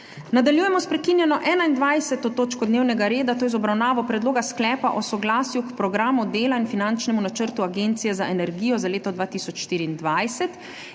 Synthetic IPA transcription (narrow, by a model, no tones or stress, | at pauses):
nad̪aljuːjɛmɔspɾɛkinjɛnɔʔɛːnaind̪ʋajsɛt̪ɔt̪oːt͡ʃkɔd̪neːwnɛɡaɾeːd̪at̪oːjɛzɔbɾawnaːʋɔpɾɛd̪loːɡasklɛːpaʔɔsɔɡlaːsjukpɾɔɡɾaːmud̪eːlainfinant͡ʃnɛmunat͡ʃəɾt̪uaɡeːnt̪sijɛzaʔɛnɛɾɡiːjɔzaleːt̪ɔd̪ʋaːt̪iːsɔt͡ʃʃt̪iːɾiːnd̪ʋajsɛt̪